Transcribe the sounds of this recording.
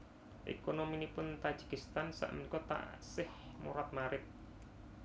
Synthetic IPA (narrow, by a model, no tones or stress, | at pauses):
ʔḛkonominipʊnt̪ḁʒ̥i̥kist̪ansa̰ʔənikɔt̪a̰ʔsɪhmuɾat̪̚maɾɪt̪̚